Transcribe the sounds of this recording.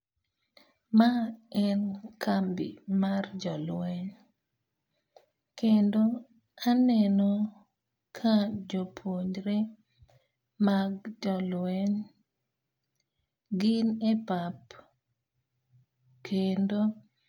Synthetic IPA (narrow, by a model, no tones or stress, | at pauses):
maɛnkʰambḭmard͡ʒɔlwɛɲ | kendo | anɛnɔ | kʰad͡ʒopʰoɲɾe | maɡd͡ʒɔlwɛɲ | ɡɪnepap | kʰendo